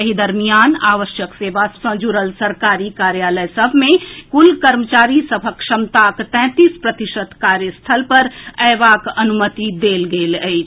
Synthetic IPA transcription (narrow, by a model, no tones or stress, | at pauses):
əɦid̪əɾmijaːnaːʋəʃjəkseːʋasə̃d͡ʒuɾəlsəɾkaɾikaɾjaːləjsəbʱmẽkulkəɾmət͡ʃaːɾisəbʱəkʃəmt̪akt̪ɛ̃ːt̪ispɾət̪iʃəd̪kaɾjəst̪ʰəlpəɾɛːʋakɐənumət̪id̪elɡeːləɪt͡ʃʰ